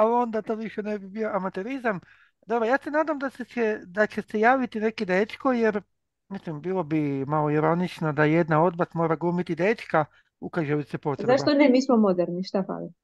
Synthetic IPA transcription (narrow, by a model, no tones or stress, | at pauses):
aond̪at̪oːʋiʃenebibio̞amat̪e̞ɾizam | d̪obɾojaːse̞naːd̪amd̪aseed̪at͡ʃesejaːʋit̪ine̞kid̪et̪kojeɾ | mislimbiːlˠobimaloiɾo̞nit͡ʃnad̪aje̞d̪nao̞d̪̚bat̪mo̞ːɾaɡuːmit̪id̪et̪ka | ukaʒebisepo̞t̪ɾzaʃt̪onemiːsmomod̪eɾniʃt̪afa̰la